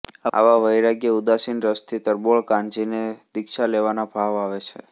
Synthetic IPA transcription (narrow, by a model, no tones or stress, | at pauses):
a̰ʋaʋəjɾaɡjəud̪asinɾəst̪ʰit̪əɾboɭkãnd͡ʒined̪ɪkʃaleʋanabʱaʋaʋet͡ʃʰḛ